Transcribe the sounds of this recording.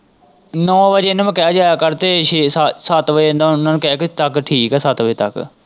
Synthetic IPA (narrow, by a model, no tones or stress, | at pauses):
nɔ̃ːʋəd͡ʒenmə̃kɛaːd͡ʒaːjakəɾt̪eːʃessət̪ʋənd̪aːʊnãːnuːkɛaːkit̪əkʈʰiːkɛːsət̪ʋəeːt̪ə̰k